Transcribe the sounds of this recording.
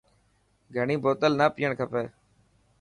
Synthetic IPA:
ɡʱəɳĩːboːt̪əlnaːpɪjːəɳkʰəpeː

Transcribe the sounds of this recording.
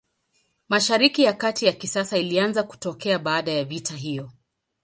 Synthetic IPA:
maʃaɾikijakatijakisasailianzaku̥tɔkɛaɓaːɗajavitaɦijɔ

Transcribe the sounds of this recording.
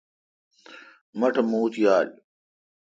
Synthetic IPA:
mɐʈʰɐmuːt̪jaːl

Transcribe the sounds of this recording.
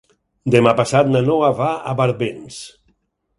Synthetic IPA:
d̪emapasat̪̚nanɔaβaa̰βaɾβens

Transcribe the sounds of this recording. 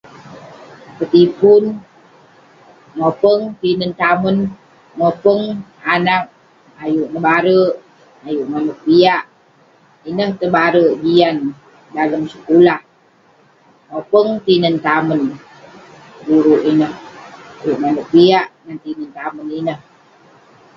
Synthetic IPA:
pət̪ipun | ŋopəŋt̪inənt̪amən | ŋopəŋanak̚ | ajuʔnəbaɾəʔ | ajuʔmanək̚biaʔ | inəht̪əbaɾəʔd͡ʒian | daləmsəkulah | ŋopəŋt̪inənt̪amən | ɡuɾuʔinəhajuʔmanək̚biaʔnant̪inənt̪aməninəh

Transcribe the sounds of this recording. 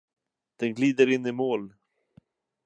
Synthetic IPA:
d̪̥ɛnɡliːd̪əɾɪnːɪmoːl

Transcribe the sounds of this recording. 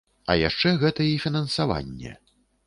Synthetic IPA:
ɐ̰ja̰ʂt͡ʂɛɣɛt̪ɐifʲinɐnsava̰nʲːɛ̰

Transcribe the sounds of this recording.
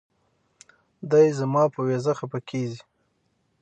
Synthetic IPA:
d̪ajzamɑpəwezaxapakʰezi

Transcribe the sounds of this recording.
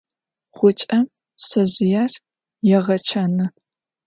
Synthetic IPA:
χʷʊt͡ʃʼɐm | sɐʑɪjaːr | jɛʁɐt͡ʃʰɐnɨ

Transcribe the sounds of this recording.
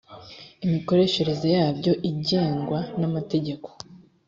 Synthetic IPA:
imiko̞ɾe̞ʃe̞ɾe̞ze̞jaːbɟo̞ʔiɟe̞ːŋɡwanamate̞ɟe̞ko̞̥

